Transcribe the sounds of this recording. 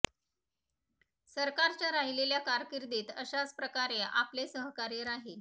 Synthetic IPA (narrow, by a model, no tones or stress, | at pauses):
səɾkaɾt͡ɕjaɾaɦileljakaɾkiɾd̪iːt̪əɕat͡spɾəkaɾeʔa̰plesəɦkaɾeɾaɦe